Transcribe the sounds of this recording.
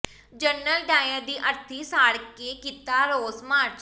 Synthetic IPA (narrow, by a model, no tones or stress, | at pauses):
d͡ʒənːəlɖaːjə̃ːd̪iːʔəɾt̪ʰiːsaːɽkeːkiːt̪aːɾoːsmaːɾt͡ʃ